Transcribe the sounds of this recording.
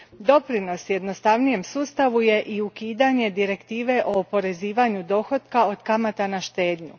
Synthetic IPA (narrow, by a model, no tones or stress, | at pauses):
d̪o̞pɾino̞sje̞d̪no̞st̪aʋnije̞msuːst̪aʋuje̞ʔiukiːd̪aɲe̞d̪iɾe̞kt̪iːʋe̞ʔo̞ːpo̞ɾe̞ziːʋaɲud̪o̞ːxo̞t̪kao̞d̪kamat̪anaʃt̪e̞ːd̪ɲu